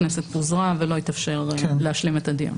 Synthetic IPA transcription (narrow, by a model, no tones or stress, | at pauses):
neset̪buzʁavelo̞it̪afʃe̞ʁleaʃlimet̪ad̪ḭʁ